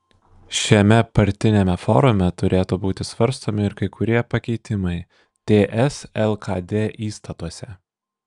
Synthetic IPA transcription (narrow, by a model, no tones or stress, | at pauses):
ʃʲɛmʲɛpɐɾʲt̪ʲɪnʲɛmʲɛfɔ̰ɾʊmʲɛt̪ʊɾʲʔeːt̪oːbuːt̪ʲɪsʋɐɾst̪oːmʲɪɪɾkɐɪkʊɾʲiɛpɐkʲɛɪt̪ʲɪmɐɪ | t̪ʲeːʔɛsɛlˠkɐd̪ʲeːʔiːst̪ɐt̪uɔsʲɛ